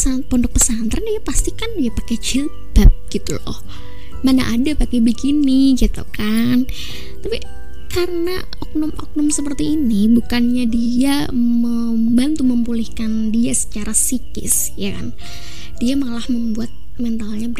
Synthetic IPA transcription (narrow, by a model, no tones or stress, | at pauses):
sat̪̚pɔndʊk̚pəsant̪ɾandiapast̪ikandijapakɛd͡ʒə | b̥ap̚ɡ̥it̪ulɔ̰h | mana̰ʔadapakɛbəkiniɡit̪ṵkan | t̪api | kaɾəna | ɔk̚nɔmʔɔ̰k̚nɔmsəpərt̪iːnibukanɲadia | mə | mbant̪uməmpulihkandiasə̥t͡ʃaɾasikɪ̰s | jaka̰n | d̥iamalahməmbuat̪̚ | mɛnt̪alɲab